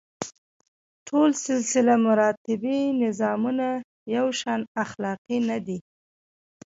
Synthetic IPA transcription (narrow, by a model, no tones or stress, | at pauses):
ʈʰolsɪlsɪlamʊɾɑt̪ɪbinɪzɑmuna | jawʃɑnaxlɑqinad̪i